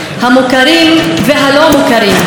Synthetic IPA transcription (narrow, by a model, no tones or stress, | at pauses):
hamukaɾimveɦalo̞mukaɾim